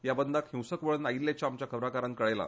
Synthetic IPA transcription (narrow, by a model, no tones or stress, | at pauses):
jabənd̪ʱakhĩwsəkʋəɭənailːjat͡ɕaːmt͡ɕjakʰəbɾakaɾãnkəɭajla̰